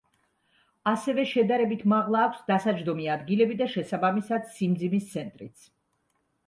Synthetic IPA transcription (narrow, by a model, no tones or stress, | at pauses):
asɛvɛʃɛd̪aɾɛbit̪ʰmaʁlˠaːkʷʰsd̪asad͡ʒɾd̪ɔmiad̪ɡilɛbid̪aʃɛsabamisad̪simd̪zimist̪sʰɛnt̪ʼɾit̪sʰ